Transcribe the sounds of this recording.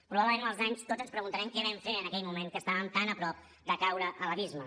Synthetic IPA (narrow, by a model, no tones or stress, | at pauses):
ppɾuβaβləmenəlˠzaɲst̪odzənspɾəɣunt̪əɾɛmkɛβɛmfeənəkɛʎmumenkəst̪aβəmt̪anəpɾɔp̚ | d̪əkawɾəʔələβizmə